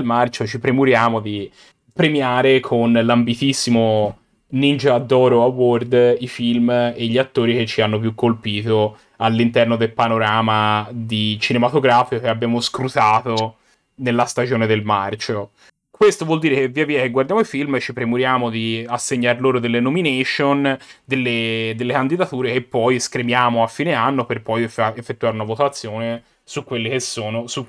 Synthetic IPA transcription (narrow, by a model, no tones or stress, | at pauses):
lmart͡ʃot͡ʃipɾemuɾjaːmod̪i | pɾemiaːɾekʰonlambit̪isːimo | nind͡ʒad̪ːɔːɾoaword̪ifilmeʎːiat̪ːoːɾik̟et͡ʃːianːopjukːolpiːt̪o | alːint̪ɛrnod̪elpanoɾaːmad̪it͡ʃinemat̪oɡɾaːfikokeabːjaːmoskɾut̪aːt̪o | nelːast̪ad͡ʒoːned̪elmart͡ʃo | kwest̪ovwɔld̪iːɾekevːiːaviːakeɡward̪jaːmoifilmt͡ʃipɾemuɾjaːmod̪iasːeɲːarloːɾod̪elːenomineʃond̪elːed̪elːekand̪id̪at̪uːɾekepːɔjskɾemjaːmoafːiːneanːoperpɔjeefːet̪ːuaːɾeunavot̪at̪sːjoːne | sukːwelːekesːoːnosu